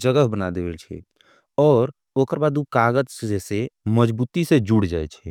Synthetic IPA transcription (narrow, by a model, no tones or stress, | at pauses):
d͡ʒəɡəɦbənad̪ewɛlt͡ʃʰɛ̰ | ɔːɾ | oːkəɾbad̪ukaɡəd͡ʒeseməd͡ʒbuːt̪ised͡ʒuɽd͡ʒaɛt͡ʃʰɛ